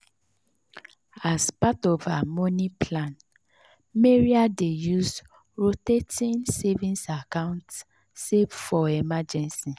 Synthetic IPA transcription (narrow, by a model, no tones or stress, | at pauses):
aspatɔvamɔ̃nĩplãn | meɹiadejus | ɹotetʰĩnsevĩnsakãnt | sevfɔɛmad͡ʒɛ̃nsi